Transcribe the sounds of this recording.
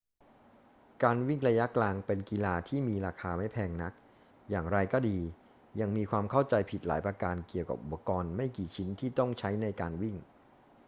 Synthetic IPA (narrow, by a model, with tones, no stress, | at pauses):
kaː˧nwi˥˩ŋɾa˧ja˦˥klaː˧ŋpe˧nki˧laː˧t̪ʰiː˥˩miː˧ɾaː˧kʰaː˧ma˥˩jpʰɛː˧ŋna˦˥k̚ | jaː˨˩ŋɾa˧jkɔː˥˩diː˧ | ja˧ŋmiː˧kʰwaː˧mkʰa˥˩wt͡ɕa˧jpʰi˨˩t̪̚la̰ː˩˦jpɾa˧kaː˧nki˨˩əwka̰˨˩p̚ʔu˨˩pːa˧kɔː˧nma˥˩jkiː˨˩t͡ɕʰi˦˥nt̪ʰiː˥˩t̪ɔ˥˩ŋt͡ɕʰa˦˥jna˧jkaː˧nwi˥˩ŋ